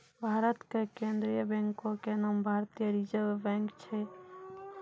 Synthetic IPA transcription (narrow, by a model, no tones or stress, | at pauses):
bʱaːɾət̪kekend̪ɾijəbɛ̃ŋkokenaːmbʱaɾt̪ijəɾid͡ʒəbɛ̃ŋkt͡ʃʰe